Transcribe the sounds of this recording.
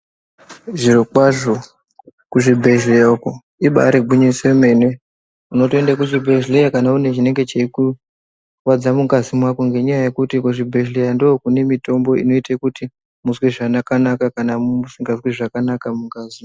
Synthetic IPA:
ʐirokwaʐo | kuʐibʱe̞ɮejauko | iɓa̰ɾeɡʱiɲiseme̞ne̞ | uno̞toe̞ndakuʐibʱe̞ʒleakanaune̞ʐine̞ŋɡe̞t͡ʃeiku | wad͡zamuŋɡazimwakoŋɡe̞ɲajaje̞kutikuʐibʱe̞ɮejandookune̞mito̞mbo̞ḭno̞itekuti | muzwiʐanakanakakanausiŋɡazwiʐakanakamuŋɡazi

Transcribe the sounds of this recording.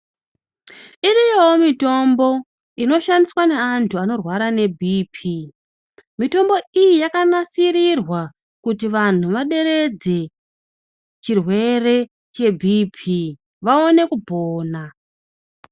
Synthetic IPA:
irijoomito̞mbo̞ | ino̞ʃandiswane̞antʰuano̞rwaɾane̞bʱiːpʰi | mito̞mbo̞ijijakanasiɾirwa | kutiʋan̤uʋaɗe̞ɾe̞d͡ze̞ | t͡ʃirwe̞re̞ | t͡ʃe̞bʱiːpʰi | ʋao̞ne̞kubʱoːna

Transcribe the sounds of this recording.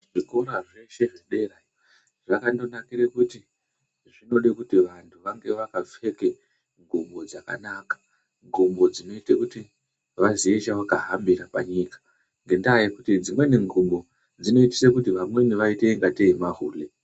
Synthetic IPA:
ʐiko̞ɾaʐe̞ʃe̞ʐiɗera | ʐ̥akando̞nakiɾekuti | ʐino̞ɗikutiʋantʰuʋaŋɡe̞ʋakafe̞ke | ŋɡumbo̞d͡zaka̰naːkḁ | ŋɡʱumbo̞d͡zino̞itekuti | ʋaziet͡ʃawakaɦambirapaɲiːkḁ | ŋɡe̞ndajekutid͡zimwe̞neŋɡumbo̞ | d͡zino̞iti̥sekutiʋamwe̞niʋaiteŋɡateimaɦuːle

